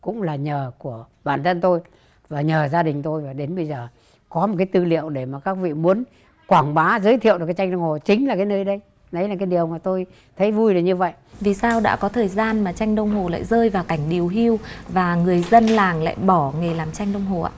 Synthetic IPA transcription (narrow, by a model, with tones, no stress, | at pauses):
kʊ̰˧˥ŋ͡mlaː˨˩ɲəː˨˩ku˧˩ə | ɓaː˧˩nt̪ʰə˧nt̪o˧j | vaː˨˩ɲəː˨˩zaː˧ɗï˨˩ŋ̟t̪o˧jvaː˨˩ɗe˨˦nɓə˧jzəː˨˩ | kɔ˨˦m˨˩t̚kaː˨˦jt̪ɨ˧lḭ˧˨əwɗe˧˩maː˨˩kaː˦˥k̚vḭ˧˨mu˨˦ən | kwaː˧˩ŋɓaː˨˦zəː˨˦jt̪ʰi˧˨wʔkːaː˨˦t͡ɕa˧jŋ̟ɗə˧wŋ͡mho˨˩t͡ɕï˨˦ŋ̟laː˨˩kaː˨˦jnəː˧jɗə˧j | nə˨˦jlaː˨˩kaː˨˦jɗi˨˩əwmaː˨˩t̪o˧j | t̪ʰə˨˦jvu˧jɗɨː˨˩ɲɨ˧və̰˧˨jvi˨˩saː˧wɗa̰ː˧˥kɔ˨˦t̪ʰəː˨˩jzaː˧nmaː˨˩t͡ɕa˧jŋ̟ɗə˧wŋ͡mɦo˨˩la̰ː˧˨jzəː˧jvaː˨˩wka˧˩jŋ̟ɗi˨˩əwɦi˧əwvaː˨˩ŋɨ˨˩əjzə˧nlaː˨˩ŋla̰ː˧˨jɓɔ˧˩ŋe˨˩laː˨˩mt͡ɕa˧jŋ̟ɗə˧wŋ͡mɦo˨˩ʔa̰ː˧˥